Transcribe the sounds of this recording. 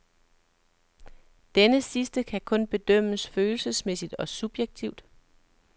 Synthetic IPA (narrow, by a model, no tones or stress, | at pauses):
d̥enəsisd̥əkʰækʰɔ̽nb̥e̝d̥œm̰əsføːl̩səsmesid̥ɒ̽sub̥jeɡ̥̚t͡sʰiʊd̥